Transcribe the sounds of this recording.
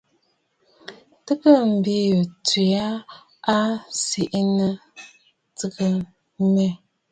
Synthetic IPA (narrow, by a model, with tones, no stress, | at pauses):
tɨ˦kə˦m̩˨bi˦˨ti˨a˦ | a˦si˨ʔnə˦ | tɨ˦kə˦ | mɛ˦˨